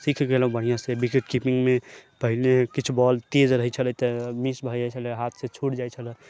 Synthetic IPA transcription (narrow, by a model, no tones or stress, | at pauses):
sikʰkeləũbəɽ̤ijãsebikeʈkipiŋɡmepəɦilekit͡ʃʰubɔlt̪ed͡ʒɾəɦɛt͡ʃʰələt̪əmisbʱəd͡ʒat͡ʃʰələɦat̪ʰsẽt͡ʃʰuʈd͡ʒajt͡ʃʰələ